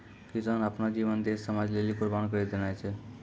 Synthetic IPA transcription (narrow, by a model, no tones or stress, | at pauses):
pizanapnad͡ʒiʋənd̪esːəmad͡ʒlelikuɾbankəɾid̪enajt͡ʃʰe